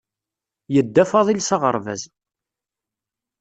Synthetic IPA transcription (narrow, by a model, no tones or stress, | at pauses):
jəd̪ːæfɑðˤilsɑʁə̰ɾˤvæ̰z